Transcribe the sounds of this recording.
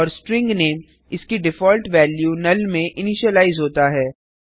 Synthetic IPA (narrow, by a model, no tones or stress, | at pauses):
ɔːɾsʈɾɪ̃ŋɡneːm | ɪskiɖɪfɔːlʈʋɛːljunɐlmẽʔɪnɪʃəlaːɪzɦoːt̪aɦɛː